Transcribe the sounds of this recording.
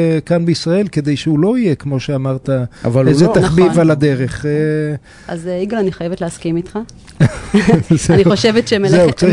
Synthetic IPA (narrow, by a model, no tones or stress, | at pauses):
kanbeisʁae̞lked̪e̞jʃeulo̞ijekmo̞ʃeamaʁt̪aa̰valejzet̪aχbivalad̪eʁeχe | ʔa̰zeiɡalaniχajevet̪leaskimit̪χa | zaniχoʃevetʃemezeut͡saʁi